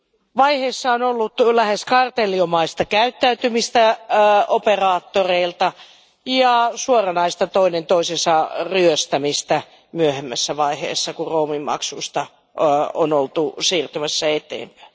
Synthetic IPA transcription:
ʋɑiheːsːɑonolːut̪læheskɑrt̪eliomɑist̪ɑkæyt̪ːæyt̪ymist̪æoperɑːt̪ːoreilt̪ɑ | jɑsuorɑnɑist̪ɑt̪oinent̪oisesɑryøst̪æmist̪æ | myøhemːæsːæʋɑihḛːsːɑkuroːmimːɑ̰ksuist̪ɑ | onolt̪usiːrt̪ymæsːæet̪ḛːmpæ̥i

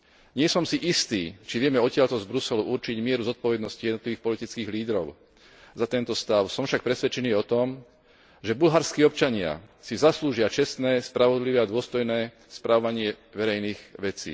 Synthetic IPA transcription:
ɲɪɛsɔmsiʔist̪iːt͡ʃiʋɪɛmɛɔcɪaʎt̪ɔzbɾusɛluʔuɾt͡ʃiɟmɪɛɾuzɔt̪̚pɔʋɛd̪nɔscijɛd̪ɔt̪liʋiːxpɔlit̪it͡skiːɣliːd̪ɾɔʊ | zat̪ɛnt̪ɔst̪aʊsɔmfʃak̚pɾɛsʋɛt͡ʃɛniːɔt̪ɔm | ʒɛbulɦaɾskiːɔpt͡ʃaɲɪa̰sizasluːʒɪat͡ʃɛst̪nɛːspɾaʋɔd̪liʋɛːad̪ʊɔst̪ɔjnɛː | spɾaʋɔʋaɲɪɛ | ʋɛɾɛjniːɣʋɛt͡sḭː

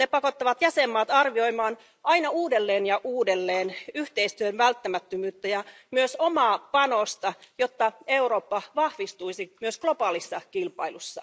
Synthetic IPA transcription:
nepɑkot̪ːɑʋɑt̪jæsemːɑːt̪ɑrʋioimɑːn | ʔɑinɑuːdelːeːnjɑʔuːdelːeːnyht̪eist̪yønʋælt̪ːæmæt̪ːømyːt̪ːæjɑ | myøsomɑːpɑnost̪ɑjot̪ːɑeuroːpːɑʋɑhʋist̪uisimyøsklopɑːlisːɑkilpɑ̰ilusːɑ̰

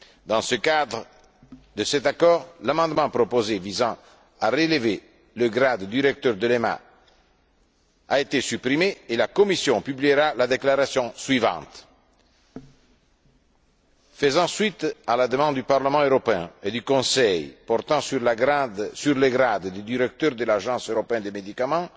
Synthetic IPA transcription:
d̪ɑ̃səkad̪ʁ | d̪əsɛt̪akɔːʁlamɑ̃d̪mɑ̃pɾopozevizɑ̃ | aʁeleve | ləɡɾad̪ːiɾɛk̚t̪œʁd̪əlema̰ | aet̪esypɾimeːlakomisjɔ̃pybliɾalad̪eklaɾasjɔ̃swivɑ̰̃t̪ | fəzɑ̃sɥit̪alad̪əmɑ̃d̪d̪ypaɾləmɑ̃øɾɔpeɛ̃ed̪ykɔ̃sɛjpɔɾt̪ɑ̃syʁlaɡd̪syʁleɡɾad̪d̪ed̪iɾɛk̚t̪øʁd̪əlaʒɑ̃søɾɔpeɛ̃d̪emed̪ikamɑ̃

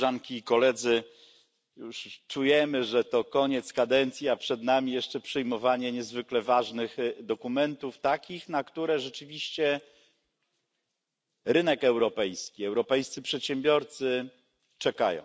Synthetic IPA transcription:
ʐaŋkʲiːkɔlɛd̪zɘ | juʂt͡ʂujɛmɘʐɛt̪ɔkɔɲɛt̪skad̪ɛnt̪sʲjiapʂɛd̪namʲijɛʂt͡ʂɛpʂɘjmɔvaɲɛɲɛzvɘklɛvaʐnɘxd̪ɔkumɛnt̪uft̪akʲixnakt̪uɾɛʐɛt͡ʂɘvʲiɕt͡ɕɛ | ɾɘnɛkɛwɾɔpɛjskʲiɛwɾɔpɛjst̪sɘpʂɛt̪ɕɛmbʲjɔɾt̪sɘ | t͡ʂɛka̰jɔ̰̃w̃

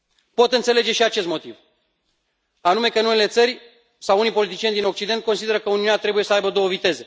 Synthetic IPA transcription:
po̞t̪ɨnt̪se̞le̞d͡ʒe̞ʃiat͡ʃe̞st̪mo̞t̪iv | anume̞kəɨnunele̞t̪sərʲ | sawunijpo̞lit̪̬it͡ʃijed̪ino̞k̚t͡ʃid̪e̞nt̪̚ko̞nsid̪e̞ɾəkəuniunat̪ɾe̞buje̞səajbəd̪o̞wəvit̪e̞ze̞

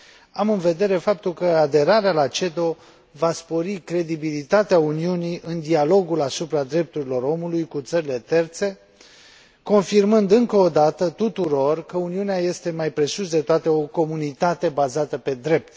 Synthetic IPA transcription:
amɨnve̞d̪e̞ɾe̞fap̚t̪ulkəad̪e̞ɾaɾealat͡ʃe̞d̪o̞ | vaspo̞ɾikɾe̞d̪ibilit̪at̪eauniuniʔɨnd̪ialo̞ɡulasupɾad̪ɾe̞p̚t̪uɾilo̞ɾo̞mulujkut̪səɾile̞t̪e̞rt̪se̞ | ko̞nfirmɨnd̪ɨŋkəod̪at̪ət̪ut̪uɾo̞rkəuniuneaje̞st̪e̞majpɾe̞susd̪et̪oat̪e̞o̞ko̞munit̪at̪e̞bazat̪əpe̞d̪ɾe̞p̚t̪

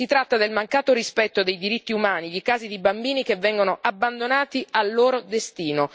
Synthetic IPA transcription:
sit̪ɾat̪ːad̪elmaŋkaːt̪oɾispɛt̪ːod̪ejd̪iɾit̪ːiumaːniʎikaːzid̪ibambiːnikevːɛŋɡonoʔabːand̪onaːt̪ialːoːɾod̪est̪iːno

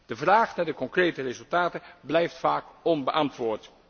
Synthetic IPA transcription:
d̥əvraːχnaːdəkɔŋkrejtərezɵlˠtaːtəblɛjftfaːkɔnbəʔɑntʋʊːɹt

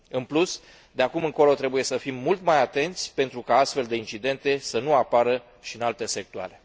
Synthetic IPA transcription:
ɨnplus | d̪eakumɨŋko̞lo̞t̪ɾe̞buje̞səfimːult̪majat̪e̞nt̪sʲpe̞nt̪ɾukaast̪fe̞ld̪e̞int͡ʃid̪e̞nt̪e̞sənuapaɾə | ʃiɨnalt̪e̞se̞k̚t̪ua̰ɾe̞

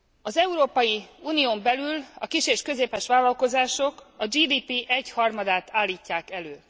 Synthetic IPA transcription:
ɒzɛuɾoːpɒjiuːnioːmbɛlylɒkiʃeːʃkø̞zeːpɛʃʋaːlːɒlko̞zaːʃo̞kɒd͡ʒiːd̪iːpiʔɛchɒrmɒd̪aːt̪ʰaːlːiːcːaːkɛløː

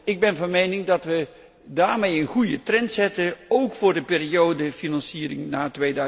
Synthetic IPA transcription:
ɪɡ̚bɛnvɑnmejnɪŋdɑtʋə | daːɹmejənχujətrɛntsɛtəowkfʊːrdəpɪːriowdəfinɑnsiːəɾɪ̰ŋnaːtʋejdœ

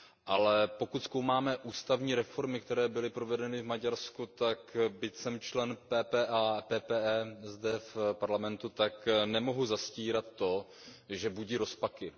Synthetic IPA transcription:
ʔalɛpo̞kut̪skowmaːmɛʔuːst̪avɲiːɾɛfo̞ɾmɪk̚t̪ɛɾɛːbɪlɪpɾo̞vɛdɛnɪvmaɟaɾskut̪akbɪcsɛmt͡ʃlɛnpɛːpɛːʔapɛːpɛːʔɛzdɛfpaɾlamɛnt̪ut̪aknɛmo̞ɦuzasciːɾat̪ːo̞ | ʒɛbuɟiɾo̞spakɪ

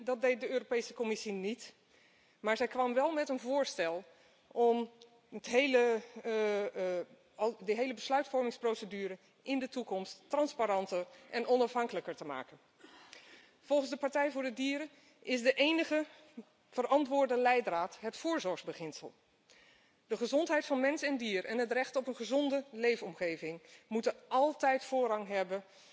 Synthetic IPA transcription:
dɑd̚dejt̚dəøːropejsəkomɪsinit | maːɹzɛjkʋɑmʋɛlˠmɛtənvʊːɹstɛlˠ | ʔɔm | ətɦejlə | dəɦejləbəslœɥtfɔɹmɪŋsprowsədyːɾə | ɪndətukɔmstːrɑnspaɾɑntəɹʔɛnʔɔnɑfɦɑŋkələkəɹtəma̰ːkən | v̥ɔlˠχənzdəpɑɹtɛjvʊːɹdədiːɾə | ʔɪzdəʔejnəχə | v̥ərɑntʋʊːɹdəlɛjdraːtɦətfʊːɹzɔɹχzbəχɪnsə̰lˠ | d̥əχəzɔntɦɛjtfɑnmɛnsɛndiːrɛnɦətrɛχtɔpənχəzɔndəlejfɔmχejvɪŋmutəʔɑlˠtɛjtfʊːɹɑŋɦɛbən

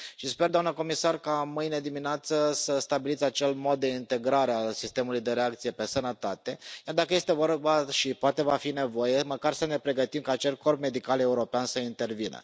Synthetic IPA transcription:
ʃispe̞rd̪oamnəko̞misarkamɨjne̞d̪imineat̪səsəst̪abilit̪sʲat͡ʃe̞lmo̞d̪̚d̪e̞int̪e̞ɡɾaɾealsist̪e̞mulujd̪e̞ɾe̞ak̚t̪sijepe̞sənət̪at̪e̞jard̪akəje̞st̪e̞vorbaʃipoat̪e̞vafine̞vo̞je̞məkarsəne̞pɾe̞ɡət̪imkaːt͡ʃelkʰo̞rpme̞d̪ikale̞uɾo̞peansəint̪e̞rvinə̰

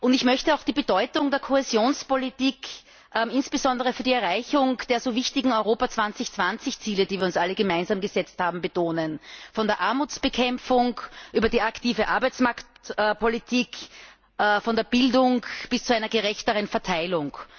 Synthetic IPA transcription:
ʔʊntɪçmœçtəaʊxd̥iːbədɔʏtʊŋd̥eːɐkʰohezjoːnspolitiːk | ʔɛmɪnsb̥əzɔ̃ndəʁ̞əfyːɐdiɛɐʁaɪçʊŋd̥eːɐzoːvɪçtɪɡŋ̩ɔʏʁoːpat͡sv̥ant͡sɪçt͡sv̥ant͡sɪçt͡siːlədiːviːɐʊnsʔaləɡəmaɪnzaːmɡəzɛt͡sthaːbm̩bətʰoːnənfɔndeːɐʔaɐmuːt͡sb̥əkʰɛmfʊŋkʔyːbɐdiːaktiːvəʔaɐbæɪt͡smaɐktːpʰolitʰiːk | ʔfɔndeɐb̥ɪldʊŋb̥ɪst͡suaɪnɐɡəʁɛçtəʁənfɛɐtʰaɪlʊŋ

